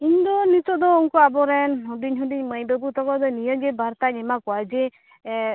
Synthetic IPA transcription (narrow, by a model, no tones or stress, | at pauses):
iɲd̪ɔnit̪ɔʔd̪ɔuŋkɔabɔɾɛnɦɔɖiɲɦɔdiɲməjbəbut̪ʰɔkɔd̪ɔnijɔd͡ʒɛbaɾt̪aɲɛmakɔad͡ʒe